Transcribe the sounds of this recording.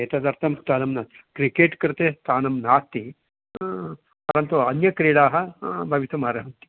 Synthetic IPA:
eːt̪ɐd̪ɐɾt̪ʰɐmst̪aːnɐmnaːt̪kɾikeːʈkɐɾt̪eːst̪aːnɐmnaːt̪i | pɐɾɐnt̪uɐnjɐkɾiːɽaːɦɐbʱɐʋit̪umaːɾɐɦɐnt̪i̥

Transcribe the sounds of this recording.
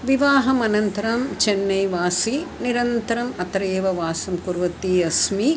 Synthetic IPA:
ʋiʋaːɦɐmɐnɐnt̪ɐɾɐmt͡ʃenːɐjʋaːsiniɾɐnt̪ɐɾɐmɐt̪ɐɾeːʋɐʋaːsɐmkuɾʋɐt̪iɐsmi

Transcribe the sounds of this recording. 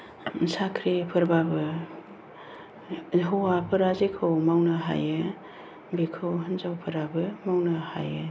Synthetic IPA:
nsakʰɾipʰɯɾbabɯ | ɦowapʰɯɾazikʰɯwmawnaɦa̰jɯ | bikʰɯwɦɯnzawpʰɯɾabɯmawnaha̰jɯ

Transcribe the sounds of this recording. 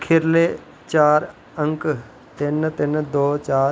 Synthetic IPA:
kʰɪɾleː | t͡ʃaːɾ | əŋk | t̪ɪnt̪ɪnd̪oːt͡ʃaː

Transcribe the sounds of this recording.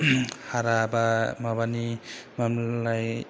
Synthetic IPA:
haɾabamaβanimamlaj

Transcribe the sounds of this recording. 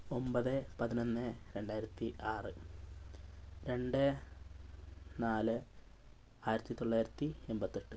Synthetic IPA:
o̞mbɐðɨpɐðino̞nːɨɾe̞ɳɖaːjiɾɐt̪ːiʔaːrɨ | ɾe̞ɳɖɨ | naːlɨ | aːjiɾɐt̪ːit̪o̞ɭːaːjɾɐt̪ːiembɐt̪ːeʈːɨ

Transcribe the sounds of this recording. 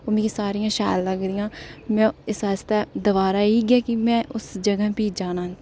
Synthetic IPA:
omẽkisaːɾijãːʃa̰ːlːəɡɾijãːmɛ̃ːɪsaːst̪ad̪əʋaːɾaːiːɡɛːkimɛ̃ːʔʊsd͡ʒəɡəpiːd͡ʒaːnaːn

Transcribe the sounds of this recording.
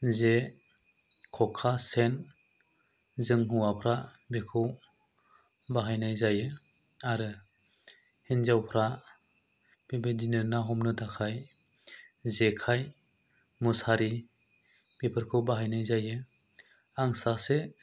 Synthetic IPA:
ze | kʰɔkʰasen | zɯŋɦuwapʰɾa | bekʰɯw | baɦajnajzajɯ | aɾɯ | hinzawpʰɾa | bebedinɯnaɦɔmnɯdakʰaj | zekʰaj | musaɾi | b̥epʰɯɾkʰɯwbaɦajnajzajɯ | aŋsase

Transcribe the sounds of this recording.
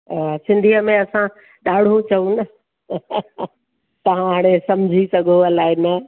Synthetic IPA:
sɪ̃nd̪ʱijəmẽɐsã | ɗaːɽ̤ũt͡ɕɐũnɐ | t̪ɐʋ̤ãɦaːɽ̃esɐ̃m̤d͡ʑʱisɐɡʱoəlaːɪnɐ

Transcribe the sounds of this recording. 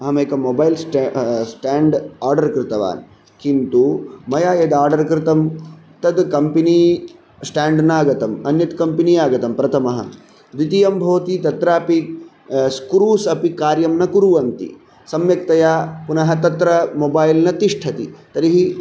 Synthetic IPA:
ɐɦɐmeːkɐmoːbaːjilsʈsʈaːɳɖaːɾɖɐɾkɾɪt̪ɐʋa̰ːn | kint̪umɐjaːjɐd̪aːɾɖɐɾkɾɪt̪ɐm | t̪ɐd̪kɐmpini | sʈaːɳɖnaːɡɐt̪ɐmɐnjɐt̪kɐmpinijaːɡɐt̪ɐmpɾɐt̪ʰɐmɐɦɐ̰ | d̪it̪ijɐmbʱɐʋɐt̪it̪ɐt̪ɾaːpi | skɾuːsɐpikaːɾjɐmnɐkuɾuʋɐnt̪ḭ | sɐmjɐk̚t̪ɐjaːpunɐɦɐt̪ɐt̪ɾɐmobaːjlnɐt̪iʂʈʰɐt̪ḭt̪ɐɾiɦi

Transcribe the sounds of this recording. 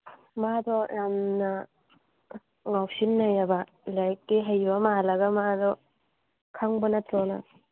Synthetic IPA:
madɔjʔamna | ŋawsinːajaba | lajkːeɦajbɐmalɐɡamadɔ | kʰaŋbɐnɐtɔna̰

